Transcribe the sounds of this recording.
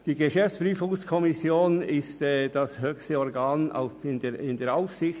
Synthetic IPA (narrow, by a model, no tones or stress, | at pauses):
d̥iːɡəʃɛft͡spɾyːfʊŋskʰɔmɪsjoːnɪstɛd̥ashøçstəɔɾɡaːna̰ʊɪneɪndeːɐaʊfsɪç